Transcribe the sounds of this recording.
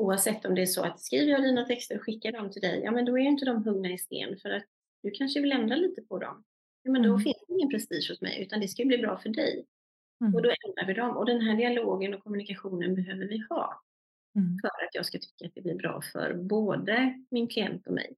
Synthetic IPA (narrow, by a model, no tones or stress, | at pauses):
uːavsɛt̪ʰːɔmd̪ɛæʂɔa̰t̪skɾiːvəjɑːd̪iːnat̪ʰɛkst̪əɾɔɧɪkːaɖɔmt̪ʰɪld̪ɛ̰jjɑ̰ːmɛnd̪ɔæɾjʏɪnt̪əd̪ɔmɦɵŋnaɪst̪ḛːnfœɾat̪̚ | d̪̥ɵkʰanʂəvɪlɛnd̪ɾaliːt̪əpʰɔd̪ɔ̰m | jɑːmɛnd̪ɔfɪnsd̪ɛɪŋːənpʰɾɛst̪iːʂhʊsmɛ̰jʔʉ̟ːt̪and̪ɛskajɵbliːbɾɑ̰ːfœɖɛ̰j | ɔd̪ɔɛnd̪ɾaɾvɪd̪ɔmʔɔd̪ɛnɦæːɖɪaloːɡənɔkʰɔmːɵnɪkaɧuːnənbɛɦøːvəɾvɪhɑ̰ː | fœɾat̪jɑːɡskat̪ʰʏ̥kːat̪̚d̪ɛblɪɾbɾɑ̰ːfœ̰ɾboːd̪əmɪnkʰlɪɛ̰nt̪ɔmɛ̰j